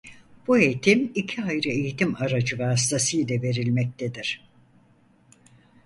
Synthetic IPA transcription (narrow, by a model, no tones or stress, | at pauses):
b̥ue̞jt̪ʰimicʰiajɾɯe̞jit̪imaɾad͡ʒɯvaːst̪ʰasɯjlʲɛve̞ɾilʲmɛc̚t̪ʰed̪iɾ̥